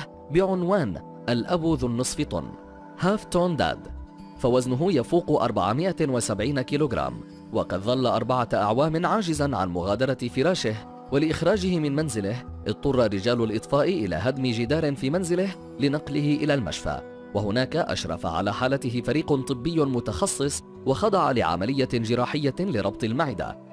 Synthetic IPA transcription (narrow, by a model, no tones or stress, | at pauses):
bɪʕʊnwaːn | ʔalʔabuːðʊnːɨsˤfɪt̪ˤʊ̰n | haːft̪oːnd̪a̰ːd̪ | fawaznʊɦʊjafuːqʔɑ̰ɾˤba̰ʕamɪʔawasabʕiːnakiːloːɡɾˤa̰ːm | wɑqɑd̪ðˤɑlːaʔɑɾˤbaʕaʔa̰ʕwaːmɪnʕaːd͡ʒɪzanʕa̰nmʊɣaːd̪ɑɾˤɑfɪɾˤɑːʃɪh | walɪʔɪxɾˤɑːd͡ʒɪhɪmɪnmanzɪlɪhʔɪd̪̚t̪ˤːʊrˤːɑrːɪd͡ʒaːlʊlʔɨt̪ˤfɑːʔɪʔɪla̰ːɦad̪mɪd͡ʒɪd̪ɑːɾɪnfiːmanzɪlɪh | lɪnɑqlɪɦɪʔɪlaːlma̰ʃfa̰ | waɦʊnaːkaʔa̰ʃɾˤɑ̰fa̰ʕa̰laːħaːlat̪ɪɦɪfaɾiːqʊnt̪ˤɨbːɪjːʊmʊt̪ɑxɑsˤːɨsˤ | wɑxɑd̪ˤɑʕalɪʕa̰malɪjːad͡ʒɪɾɑːħɪjːalɪɾˤɑb̚t̪ˤɪlmaʕɪd̪a̰